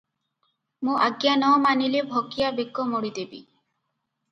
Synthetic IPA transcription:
mũʔaɡjanɔmanilebʱoɡijabeɡɔmoɽid̪ebḭ

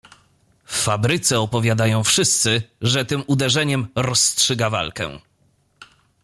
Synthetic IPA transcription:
fːabɾɘt̪sɛɔpɔvʲjad̪ajɔ̃w̃fʂɘst̪sɘʐɛt̪ɘmud̪ɛʐɛɲɛmɾɔstʂɘɡava̰lkɛ̰̃

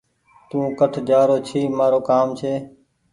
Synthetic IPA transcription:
t̪ũːkəʈʰd͡ʒaːɾoːt͡ʃʰiːmaːɾoːkaːmt͡ʃʰeː

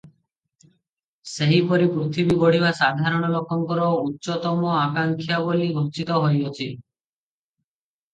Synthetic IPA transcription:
seɦipɔɾipɾut̪ʰibibɔɽ̤ibasad̪ʱaɾɔɽ̃ɔlokɔŋkɔɾɔutːʃɔt̪ɔmɔakaŋkʰjaboliɡʱɔt͡ʃit̪ɔɦojɔt͡ʃʰi

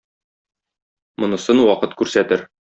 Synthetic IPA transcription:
mŏnɤ̆sɤnwɒqɤt̪kʉɾsæt̪ɘɾ

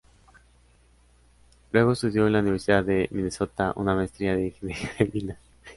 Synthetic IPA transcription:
lwe̞ɣo̞est̪uðjo̞enlauniβe̞ɾsiðaðe̞mineso̞t̪aʔṵnamaest̪ɾiaðeixenexaɾemina

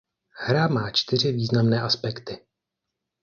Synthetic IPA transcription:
hɾamaːt͡ʃt̪ɪr̝ɪviːznamnɛːʔaspɛkt̪ɪ

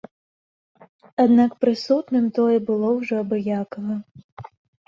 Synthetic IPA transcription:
ad̪nakpɾɪsut̪nɪmt̪ɔjɛbɨlˠɔwʐɔɐbɨjakɐɦɐ

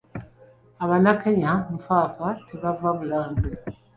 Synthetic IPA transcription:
aβanakeɲaɱfaːfatʰeβavaβulaːmbe

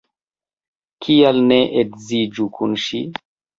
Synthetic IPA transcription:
kʰialneʔekzid͡ʒukʰunʃi

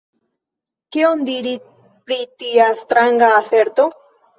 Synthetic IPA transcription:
keond̪iɾi | pɾitiast̪ɾaŋɡaːse̞ɾt̪o̞

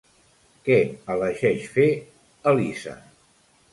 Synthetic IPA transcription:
kɛələʒɛʃfe | əlisə̰

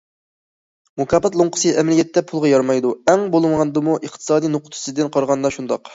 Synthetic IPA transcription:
mukʰɑpɑt̪lˠoŋqʰə̥sɨʔɛmɛlijɛt̪ːɛpʰulˠʁɑjɑɾmɑjd̪uɛŋbolˠɨmʁɑnd̪ɨmuʔəχt̪ʰɨ̥sɑːd̪ijnoqʰʊ̥t̪ʰu̥sɨd̪ɨnqʰɑɾʁɑnd̪ɑʃund̪ɑq

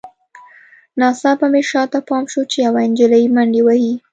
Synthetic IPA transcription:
nɑsɑpameʃɑt̪apɑmʃot͡ʃejawaɪnd͡ʒɪlajimaɳɖewahi

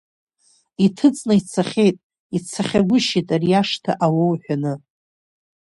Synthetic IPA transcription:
itʰɨt͡sʼnait͡sʰaχʲejtʼ | it͡sʰaχʲaɡʷʊʃitʼarjaʂtʰa̰ʔawowħʷᶣanɨ

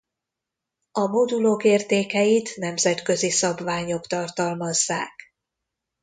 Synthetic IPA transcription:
ɒmod̪uloːkeːrt̪eːkɛjit̪nɛmzɛt̪kø̞zisɒbvaːɲo̞kt̪ɒrt̪ɒlmɒzːa̰ːk

